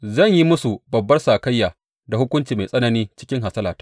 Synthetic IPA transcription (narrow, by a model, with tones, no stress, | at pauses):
zɐ˦˨ɲji˦mʊ˦su˨bɐ˨bːɐ˦rsa˨kɐ˦jːaː˨ | da˨hʊ˦kʷʊ˦nt͡ʃiː˨ma˨sʼɐ˦nɐ˦niː˦t͡ʃɪ̥˦kʲɪ˦ŋɦa˨sɐ˦laː˨tḁ˦